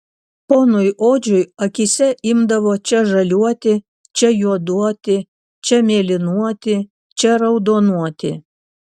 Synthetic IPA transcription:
poːnʊjʔoːd͡ʒʲʊjɐkʲisʲɛʔɪmd̪ɐʋoːt͡ʃʲɛʒɐlʲuɔt̪ʲɪ | t͡ʃʲɛjuɔd̪uɔt̪ʲɪ | t͡ʃʲɛmʲeːlʲɪnuɔt̪ʲɪ | t͡ʃʲɛɾɐʊd̪oːnuɔt̪ʲɪ

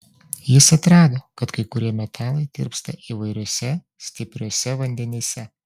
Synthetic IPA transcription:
jɪsɐt̪ɾɑːd̪oːkɐt̪kɐɪkʊɾʲiɛmʲɛt̪ʲʰæːlˠɐɪd̪ʲɪ̰ɾpst̪ɐʔiːʋɐɪɾʲoːsʲɛ | sʲt̪ʲɪpʲɾʲoːsʲɛʋɐnʲd̪ʲɛnʲeːsʲɛ

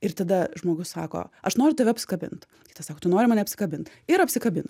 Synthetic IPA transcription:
ɪrt̪ɐd̪ɐʒmoːɡʊssɑ̰ːko̰ːɐʃnoːɾʲʊt̪ɐʋʲɛɐpʲsʲɪ̥kɐbʲɪ̰nt̪ | kʲɪːt̪ɐsɑːkoːt̪ʊnoːɾʲɪmɐːnʲɛɐpʲsʲɪ̥kɐbʲɪnt̪ | ɪɾɐpʲsʲɪkɐbʲɪn

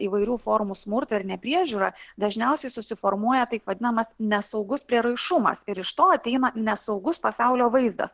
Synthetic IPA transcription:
iːʋɐɪɾʲuːfoːɾmusmʊɾt̪ʊɪɾnʲɛpʲɾʲiɛʒʲuːɾɐd̪ɐʒʲnʲɛʊsʲɛɪsʊsʲɪfoːɾmuɔjɛt̪ɐɪpʋɐd̪ʲɪnɐmɐsnʲɛsɒʊɡʊspʲɾʲiɛɾɐɪʃʊmɐ̰sɪɾɪʃt̪oːɐt̪ʲɛɪnɐnʲɛsɒʊɡʊspɐsɑʊlʲoːʋɐɪzd̪ɐ̰s

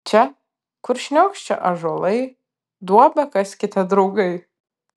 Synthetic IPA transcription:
t͡ʃʰa | kʷʰʊrʃnʲokʲʃt͡ʃʰa̰ʔaʐalej | dwabakʼasʲkʲitʰadɾuɡej

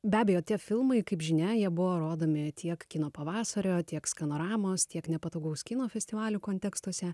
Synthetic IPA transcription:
bʲæːbʲejoːt̪ʲiɛfʲɪlˠmɐɪkɐɪpʒʲɪnʲɛjiɛbʊʋoːɾoːd̪oːmʲɪt̪ʲʰiɛkkʲinoːpɐʋɑːsɐɾʲoːt̪ʲiɛkskɐnoːɾɑːmoːst̪ʲiɛknʲɛpɐt̪oʊɡɐʊskʲɪnoːfʲɛsʲt̪ʲɪʋɑːlʲukoːnʲt̪ʲɛkst̪uɔsʲɛ

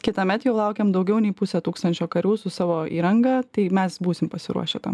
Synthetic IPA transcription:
kʲɪt̪ɐmʲɛt̪jɛʊlˠɐʊkʲɛːmd̪ɐʊɡʲɛʊnʲɛɪpʊsʲɛt̪uːkst̪ɐnʲt͡ʃʲoːkɐɾʲuːsʊsɑːʋoːḭːɾɐŋɡɑt̪ɐɪmʲɛsbuːsʲɪmpɐsʲɪ̰ɾṵɔʃʲɛt̪ɐ̰

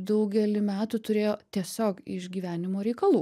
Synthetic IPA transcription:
d̪ɐʊɡʲɛlʲɪmʲæːt̪ut̪ʊɾʲeːjoːt̪ʲiɛsʲoːkɪ̰ʒɡʲiːʋʲæːnʲɪmoːɾʲɛɪkɐlˠuː

